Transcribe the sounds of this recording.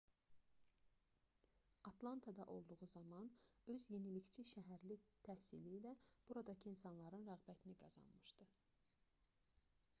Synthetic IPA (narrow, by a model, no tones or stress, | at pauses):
ɑt̪lˠɑnt̪ʰɑd̪ɑʔo̞lˠd̪uʁuzɑmɑnø̞zje̞nilict͡ʃʰiʃæɦæɾlit̪ʰæhsḭliːlæb̥uɾɑd̪ɑcʰiinsɑnlˠɑɾɯnɾæɣbæt̪ʰiniɡɑz̥ɑ̰nmɯʃd̪ɯ